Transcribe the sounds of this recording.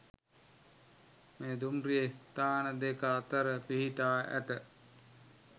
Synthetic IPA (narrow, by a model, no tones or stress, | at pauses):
meːd̪umrijəist̪aːnəd̪ekəat̪əɾəpiɦit̪aːæ̰t̪ə